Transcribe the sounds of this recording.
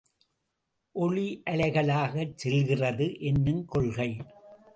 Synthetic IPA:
ʔɔɭiʔɐɭɐɪɣɐɭaːɣɐt͡ʃsɛlɣɪrɐðɯʔɛnːɯmkɔɭɣɐɪ

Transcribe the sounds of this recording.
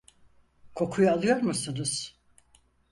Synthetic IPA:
kʰo̞kʰujualˠɯjo̞ɾmusunuz̥

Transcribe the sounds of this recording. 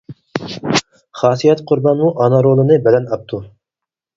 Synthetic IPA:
χɑːsijɛt̪qʰʊɾbɑnmuʔɑnɑɾolˠɨnɨbɛlɛnɑp̚t̪ʰu

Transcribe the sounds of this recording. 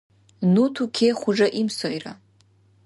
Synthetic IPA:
nutʰukʲʰejχʷʊʐaʔimsojra

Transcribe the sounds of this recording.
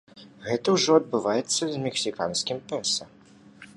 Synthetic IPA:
ɣɛt̪ɐwʐɔɐd̪̚bɨvajɛt̪sːɐzʲmʲɛksʲikanskʲimpʲɛnsɐ

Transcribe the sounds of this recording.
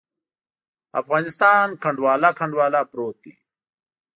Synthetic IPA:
a̰fɣɑːnɪst̪ɑːnkʰaɳɖwɑːlakʰaɳɖwɑːlapɾoːt̪̚ḭ

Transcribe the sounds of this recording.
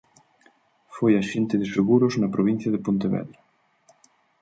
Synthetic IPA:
fojaʃent̪ɪðeseɣuɾoznapɾoβin̟θjɐðepont̪eβɛ̰ðɾa

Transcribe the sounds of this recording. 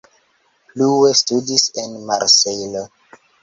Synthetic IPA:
pluwe̞studise̞nmaɾsejlo

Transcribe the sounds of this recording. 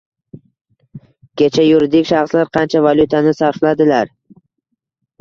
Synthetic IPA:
kʲʰe̞t͡ʃʰajʊɾɪd̪ɪkʲʃɑχslaɾqʰɑnt͡ʃʰavalʲˠut̪ʰanɪsaɾflad̪ɪlaɾ

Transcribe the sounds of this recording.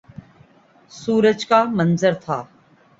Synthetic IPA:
suːɾəd͡ʒkaːmənzəɾt̪ʰaː

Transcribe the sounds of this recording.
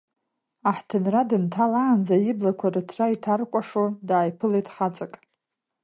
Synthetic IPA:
aħtʰɨnradɨntʰalaːnd͡zajɪblakʷʰarɨtʰraitʰarkʷʼaʂodaːjpʰɨlejtʼχat͡sʼakʼ

